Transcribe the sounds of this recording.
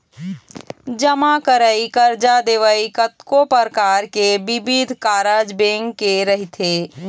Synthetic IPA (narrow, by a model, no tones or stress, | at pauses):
d͡ʒəmakəɾaikəɾd͡ʒad̪eːʋəikət̪kopəɾkaːɾkebɪbid̪ʱkaːɾad͡ʒbẽːŋkːeɾəɦit̪ʰeː